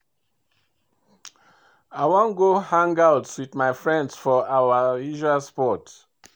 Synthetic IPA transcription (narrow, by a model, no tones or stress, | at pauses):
aɪwõnɡohãŋɡawtwiðmaɪfɹɛ̃ndsfɔawaiʒaspɔt